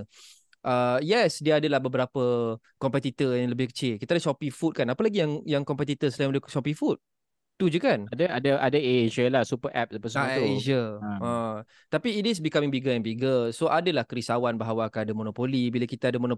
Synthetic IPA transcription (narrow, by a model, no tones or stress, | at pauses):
ʔəjɛsdiəadəlahbəbəɾapə | kɔmpɛt̪it̪ərjaŋləbɪhkə̥t͡ʃɪlkit̪adəsɔpifut̪̚kanapəlaɡijaŋjaŋkɔmpɛt̪it̪əsəlaimaləʃɔpifut̪̚ | t̪ːud͡ʒəkanadəadəʔadəeʒəlahsupəʔɛ̰p̚sapəsat̪ued͡ʒəə̃ | t̪apiːtɪsbikamĩŋbiɡəjɛnbiɡəsoʔadəlahkəɾisawanbaɦawakaadəmonopolibilakit̪aadəmonõ